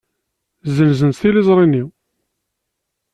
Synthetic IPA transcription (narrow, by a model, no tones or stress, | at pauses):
zənzənθilizˤɾˤini